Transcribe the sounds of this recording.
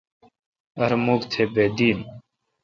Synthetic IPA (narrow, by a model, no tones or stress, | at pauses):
əɾmuːkt̪ʰeːbeːd̪iːn